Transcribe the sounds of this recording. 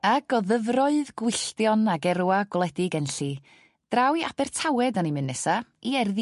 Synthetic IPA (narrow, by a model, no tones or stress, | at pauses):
aɡɔðəvrɔɨðɡwɨɬtjɔnaɡɛɾwaɡwlˠɛdɪɡɛnɬi | d̥rawiab̥ɛr̥tʰawɛdanimɨnːɛsaiɛrð